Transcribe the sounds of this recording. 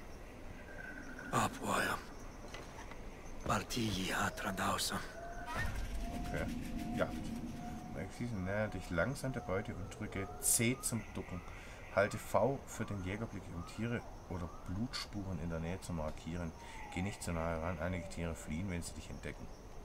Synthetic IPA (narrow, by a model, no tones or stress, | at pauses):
ʔapwɔjɐ | b̥altʰiːjiat̪ɾand̪aʊsɐ | ʔokʰeːja | mɛ̰ksiːsn̩nɛːəndɪçlaŋzaːmdɐbɔʏtəʊnt̚d̥ʁʏkə | t͡seːt͡sʊmd̥ʊkŋ̩ | haltəfaʊfyːɐdeːnjɛːɡɐblɪkʊmtʰiːʁə | ʔoːdɐb̥luːtʃpuːʁənɪ̰ndeːɐnɛːət͡sumaɐkʰiːʁ̞ən | ɡ̥eːnɪçtt͡sunaːəʁanʔaɪnɪɡətʰiːʁ̞əfliːənvɛnziːdɪçɛnt̚d̥ɛkŋ̩